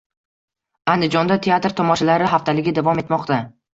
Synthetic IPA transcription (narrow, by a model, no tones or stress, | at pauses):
and̪ɪd͡ʒɒnd̪at̪ʰe̞at̪ɾt̪ʰɒmɒʃalaɾɪɦaft̪ʰalɪɡʲɪd̪avɒme̞t̪mɒqt̪a